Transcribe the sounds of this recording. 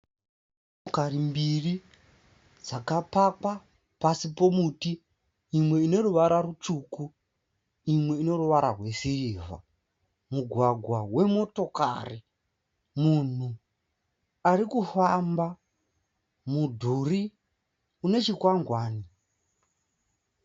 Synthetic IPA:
okaɾimbiri | d͡zakapaka | pasipo̞mutiː | mwe̞ine̞ruʋaɾarut͡ʂuku | imwe̞ino̞ruʋaɾarwe̞siriːva̰ | muɡʱwaɡʱwawe̞mo̞to̞ka̰ri | mun̤u | aɾikufamba | mudʱuri | une̞t͡ʃikwaŋɡwaːni

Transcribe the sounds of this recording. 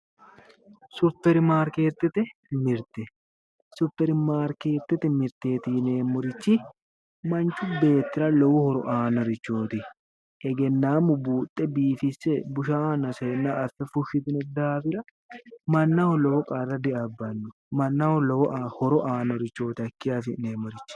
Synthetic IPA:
sʊpːɛɾɪmaːɾke̞ːt̪ːɛt̪ɛmɪɾt̪ɛ | sʊpːɛɾɪmaːɾke̞ːt̪ːɛt̪ɛmɪɾt̪e̞ːt̪ɪneːmːʊɾɪt͡ʃːɪ | mɐnt͡ʃːʊbe̞ːt̪ːɪɾɐlɔwɔhɔɾɔ̰ʔaːnɔɾɪt͡ʃːoːt̪ɪ | ʔɛɡɛnːaːmʊbuːt̪ʼːɛbiːfɪsːɛbʊʃaːnɐsɛnːaːfɛfʊʃɪt̪ɪnɛd̪aːfɪɾɐ | mɐnːɐhɔlɔwɔkʼɐrːɐd̪ɪʔɐbːɐnːʊ | mɐnːɐhɔlɔwɔʔhɔɾɔʔaːnɔɾɪt͡ʃːo̞ːt̪ɪɐkːɪjafɪneːmːɔɾɪt͡ʃːɪ̥

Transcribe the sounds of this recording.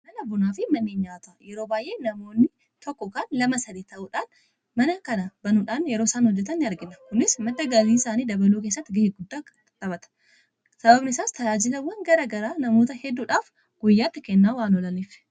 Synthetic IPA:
mɐnɐbʊnaːfɪmɐnːeːɲːaːt̪ɐjɛɾo̞ːbaːjʔe̞ːnɐmo̞ːnːɪ | t̪ɔkːɔkaːnlɐmɐsɐd̪iːt̪ɐʔuːᶑaːn | mɐnɐkɐnɐbɐnuːᶑaːnjɛɾo̞ːɪsaːnhɔd͡ʒːɛt̪ɐnːɪɐɾɡɪnɐkʊnɪsmɐt̪ːɐɡɐliːsaːniːd̪ɐbɐluːk̬eːs̬ːɐt̪ːɪɡɐheɡʊd̪ːaː | t̪ɐbɐt̪ɐ̥ | sɐbɐbnɪsaːst̪ʰɐjaːd͡ʒɪlɐwːɐŋɡɐɾɐɡɐɾaːnɐmo̞ːt̪ɐhɛd̪ːuːᶑaːf | ɡ̥ʊjːaːt̪ːɪkɛnːaːwaːnɔlɐniːf

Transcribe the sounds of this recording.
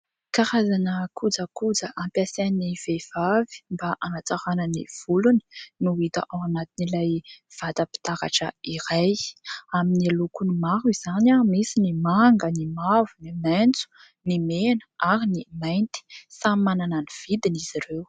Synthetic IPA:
kaɾazanəkʰud͡zəkud͡zəʔampjaseniv̥ev̥avi̥mbaʔanat͡saɾanənḭv̥uluni̥nuit̪a̰ʔawanat̪inilajv̥at̪əpi̥t̪aɾa̰ʈ͡ʂə̰iɾajaminialukunimaɾuiz̥anamisinimaŋɡənimavunimɛnt͡su̥ | nimenə̥aɾinimajnt̪i̥samanananiv̥id̪iniz̥iɾew

